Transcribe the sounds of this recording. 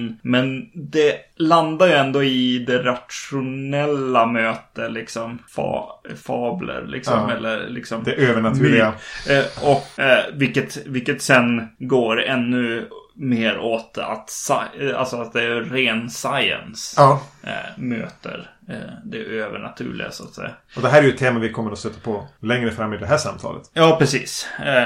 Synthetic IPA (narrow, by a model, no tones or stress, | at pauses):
nmɛnd̪ɛland̪ajɵɛnd̪ɔɪd̪ɛɾat̪ʂʊnɛlːamøːt̪əlɪksɔmfɑ̰fɑːblə̰ɾlʔɪ̰ksɔmɛlːəɾlɪksɔmd̪ɛøːvəɳat̪ʰʉa | ɔkvɪlkːət̪vɪlkːət̪sɛnɡoːɾɛnːɵmeːɾoːt̪a̰t̪saa̰lsɔat̪̚d̪ɛæɾɾeːnsajə̰nsɑː | mø̰ːt̪ə̰ɾd̪ɛʔøːvəɳa̰t̪ʰʉ̟̰ːɭɪ̰ɡa̰sʊat̪sɛ̰jːa | ɔd̪ɛɦæːɾɛɾjɵt̪ʰːeːmavɪkʰɔmːəɾɔst̪œt̪ːapʰɔlɛŋɾəfɾamːɪd̪ɛɦæʂamt̪ʰɑ̰ːlə̰t̪jɑːpʰɾɛsiːs